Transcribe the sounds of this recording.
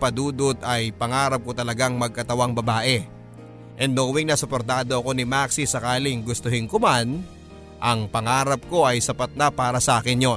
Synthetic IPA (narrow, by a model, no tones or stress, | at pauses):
pɐd̪uːd̪ot̪ɐjpɐŋaːɾɐp̚ko̞t̪ɐlɐɡaŋmɐɡ̚kɐt̪ɐwaŋbɐbaːʔɛ | ʔɛnd̪nowiŋnɐsopo̞ɾt̪aːd̪o̞ʔɐko̞nɪmak̚sisɐkaːlɪŋɡʊst̪oɦɪnkoman | ʔɐŋpɐŋaːɾɐp̚ko̞ʔɐjsɐpat̪̚nɐpaːɾɐsɐʔaːkɪnjo̞